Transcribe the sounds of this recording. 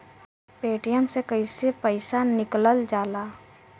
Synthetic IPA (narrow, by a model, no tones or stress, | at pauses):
peːʈijəmsekəɪsepəɪsanɪkləld͡ʒaːlaː